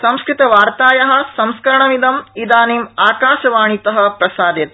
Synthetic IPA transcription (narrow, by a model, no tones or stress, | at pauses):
sɐ̃mskɾit̪ɐʋaːɾt̪aːjɐɦɐ̆sɐ̃mskɐɾɐɳɐmid̪ɐmid̪aːniːmaːkaːʃɐʋaːɳ̃it̪ɐɦɐ̆pɾɐsaːd̪jɐt̪̚